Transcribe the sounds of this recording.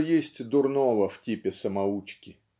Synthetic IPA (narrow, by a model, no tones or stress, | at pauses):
jesʲtʲd̪ʊrnovəftʲipʲɪsəmɐut͡ɕkʲɪ